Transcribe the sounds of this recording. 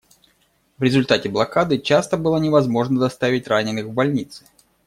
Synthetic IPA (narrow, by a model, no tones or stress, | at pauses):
vɾʲɪzʊlʲt̪atʲɪblˠɐkad̪ɨt͡ɕast̪əbɨlˠənʲɪvɐzmo̞ʐnəd̪ɐst̪avʲɪtʲranʲɪnɨxvbɐlʲnʲit̪sɨ̥